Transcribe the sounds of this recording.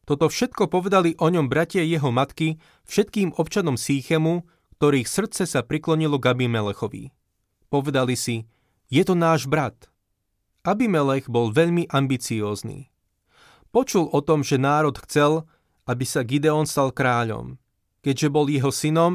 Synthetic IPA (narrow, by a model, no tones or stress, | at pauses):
t̪ɔt̪ɔfʃɛt̪kɔpɔʋɛd̪aliʔɔɲɔmbɾacɪajɛɦɔmat̪ki | fʃɛt̪kiːmɔpt͡ʃanɔmsiːxɛmu | kt̪ɔɾiːxsr̩t̪t͡sɛsapɾiklɔɲilɔɡabimɛlɛxɔʋḭ | pɔʋɛd̪alisi | jɛt̪ɔnaːʒbɾat̪ | abimɛlɛɣbɔlʋɛʎmiʔambit͡siɔːznḭː | pɔt͡ʃulɔt̪ɔmʒɛnaːɾɔt̪xt͡sɛl | abisaɡid̪ɛɔnst̪alkɾaːʎɔ̰m | kɛɟʒɛbɔljɛɦɔsinɔm